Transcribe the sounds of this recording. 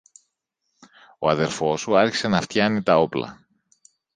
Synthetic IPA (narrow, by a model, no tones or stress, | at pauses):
o̞ɐðe̞ɾfo̞suɐɾçi̥se̞nɐft̪çɐnit̪ɐo̞plɐ̰